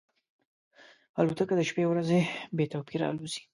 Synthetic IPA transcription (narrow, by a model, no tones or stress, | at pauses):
alut̪əkad̪əʃpewɾazebet̪awpiɾa̰luz̥i̥